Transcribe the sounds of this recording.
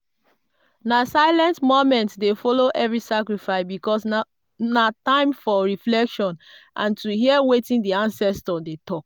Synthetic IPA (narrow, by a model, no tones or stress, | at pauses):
nasaɪlɛ̃ntmomɛ̃ntsdefɔloʔɛvɹisakɹifaɪsbikɔs | natãɪ̃mfɔɹiflɛkʃɔ̃nʔã̰ntuhiɛwetĩndiãnsɛstɔdetɔk̚